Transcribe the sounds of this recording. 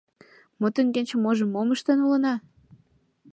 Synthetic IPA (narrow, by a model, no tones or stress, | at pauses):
mot̪əŋɡenʲt͡ɕə̆moʒə̆mːoməʃt̪enulə̆nɑ